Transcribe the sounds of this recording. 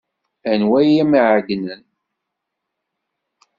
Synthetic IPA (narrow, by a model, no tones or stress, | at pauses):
ænwæjæmiʕɡnən